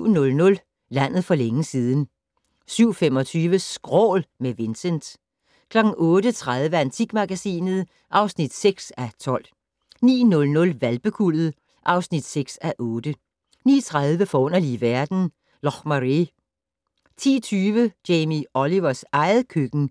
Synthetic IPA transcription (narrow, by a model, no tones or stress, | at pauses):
nɔ̽lnɔ̽l | læn̰ð̞̩ˠfɒ̽leŋəsiːðˠn̩ | syʊ̰fem̰ɒ̽t͡sʰyːʋəsɡ̥ʁɔ̰ːlmeʋe̝nsend̥ | kʰlɒ̽ɡ̥ŋ̩ʔɔ̽ːd̥ət͡sʰʁað̞ˠʋəænt͡sʰiɡ̥mɑ̈ɡ̥æsḭːnð̩ˠ | ʔɑ̈ʊsnid̥seɡ̥sæt͡sʰɒ̽l̰ | nḭːnɔ̽lnɔ̽lʋælb̥əkʰulð̩ˠ | ʔɑ̈ʊsnid̥seɡ̥sæʔɔ̽ːd̥ə | niːt͡sʰʁaðˠʋəfɒɔ̽n̰ɐliʋæɐd̥n̩ | lɒχmɑʁi | t͡sʰḭːt͡sʰyːʋəd̥eɪmiɒliʋɐsɑ̈ɪð̩ˠkʰøɡ̥n̩